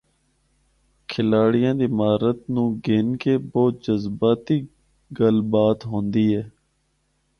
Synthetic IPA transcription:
kʰɪlaːɽɪjãːd̪iːmaːɾət̪nũːɡeːnkeːbɔːt̪̚d͡ʒəzbaːt̪iː | ɡəlbaːt̪ɦõːnd̪iːɦɛː

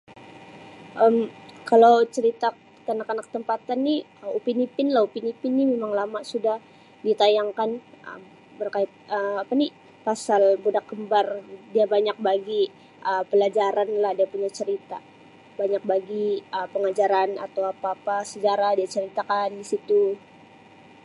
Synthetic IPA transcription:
ʔəmkalawt͡ʃəɾit̪a | t̪anakanakːə̥t̪əmpat̪anːi | əupinipɪnlahupinipɪnɲimemaŋlamasudah | dit̪ajaŋkanʔə̰m | bərkaɪt̪̚əapani | pasalbudak̚ɡəmbardiabaɲak̚baɡi | ʔəpəlad͡ʒaɾanlahdiapuɲat͡ʃəɾit̪a̰ | baɲak̚baɡiəpəŋad͡ʒaɾana̰t̪awapaːpasəd͡ʒaɾahdiat͡ʃəɾit̪akandisit̪u

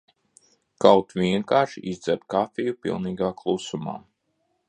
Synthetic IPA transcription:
kawt̪vʲiɛŋkaːɾʃiʔizd̪zɛɾt̪̚kafijupḭlˠniːɡaːklˠusuma̰ː

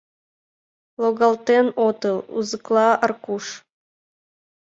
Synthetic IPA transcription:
lˠoɣɑlt̪enot̪əlˠṵzɨklˠɑərkuʃ

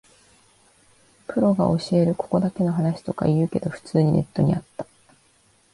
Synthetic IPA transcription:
pɯ̟ɾo̞ɡao̞ɕie̞ɾɯ̟ko̞̥ko̞d̪ake̞no̞ɦanaɕi̥t̪o̞ka̰iɯ̟ːke̞d̪o̞ɸɯ̟̥t͡sɨːɲ̟inʔe̞t̪ːo̞̰ɲ̟ḭʔat̪ːḁ

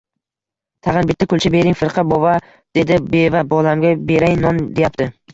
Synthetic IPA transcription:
t̪ʰɑʁɨnbɪt̪ːakʰʊlt͡ʃʰabe̞ɾɪŋfɪɾqʰɑbɒva | d̪̥e̞d̪ɪbe̞vabɒlamɡʲabe̞ɾajnɒnd̪e̞jap̚t̪ʰɪ

